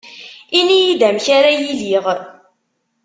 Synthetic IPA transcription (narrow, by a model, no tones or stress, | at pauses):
inijid̪æmçaɾajiliʁ